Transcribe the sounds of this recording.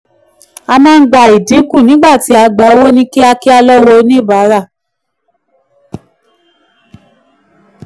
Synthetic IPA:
a˧mãː˦˧ŋ̩˦ɡ͡ba˨i˨di˨˦ku˦˨nĩ˨˦ɡ͡ba˦˨ti˨˦a˧ɡ͡ba˨˦o˧˦wo˦nĩ˦ki˦a˧ki˦a˧lɔ˦wɔ˧˦nĩ˦˨ba˨˦ɾa˦˨

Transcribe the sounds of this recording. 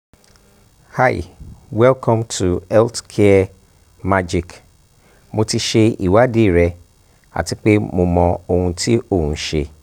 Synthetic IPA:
ha˦˨j̰wɛ˦lkʰɔ̃˦mtʰu˨ɛ˦ltkʰe˦ɛ˦ | ma˦d͡ʒi˨k | mo˧ti˧ʃe˧ḭ˨wa˦de˦˨ɾɛ˧ | a̰˨ti˦k͡pe˦mo˧mɔ̃˧o˧hũ˧ti˦o˦˨hũ˨˦ʃe˧

